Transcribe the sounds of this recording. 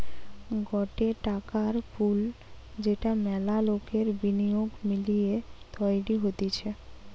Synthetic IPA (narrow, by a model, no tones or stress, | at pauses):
ɡɔʈeʈakaɾfʰuld͡ʑeʈamɛlalokeɾbinijoɡmilijet̪ɔjɽiɦot̪it͡ɕʰe